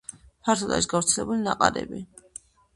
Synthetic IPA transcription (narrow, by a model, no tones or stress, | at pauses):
pʰaɾt̪ʰɔd̪a̰iʃɡafɾt̪sʰɛlɛbulinaqʼaɾɛ̰bi